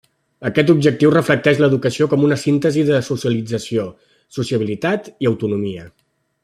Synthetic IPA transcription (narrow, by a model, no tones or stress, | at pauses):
əkɛt̪ub̚ʒək̚t̪iwrəflək̚t̪ɛʃləðukəsiokɔmunəsint̪əziðəsusjəlid͡zəsio | susiəβ̞ilit̪at̪iəwt̪unumiə